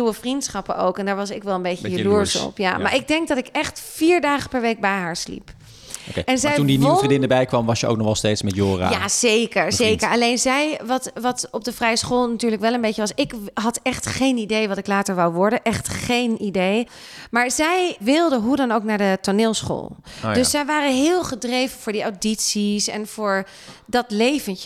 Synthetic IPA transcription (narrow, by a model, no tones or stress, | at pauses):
uwəfrintsχɑpəo̰wkɛndaːɹʋɑsɪkʋɛlˠənmbejəjəluɹsɔ̰pja̰maːɹɪɡ̚dɛŋk̚dɑtɪkɛχtfiːɹdaːχəpɛɹʋejk̚bɛjɦaːɹslḭp | okejɛnzɛjtundiniridɪndəbɛjkʋɑmʋɑsjəo̰wknɔχɛlˠstejtsmɛtjoːra̰jaːz̥ejkəɹzejkəɹɑlejnzɛjʋɑtʋɑtɔb̚dəfrɛjəsχoːlˠnatyːɹləkʋɛlˠənbejcəʋɑsɪkɦɑtɛχtχejnidejʋɑtɪklaːtəɹʋawʋɔɹdənʔɛχtχejnidej | maːɹzɛjʋɪlˠdəɦudɑnowknaːɹdətonɪːlˠsχo̰ːlˠjdɵsːɛjʋaːɾənɦɪːlˠχədrejvənvʊːɹdiawditsisɛ̰nv̥ʊːɹ | dɑtlejvən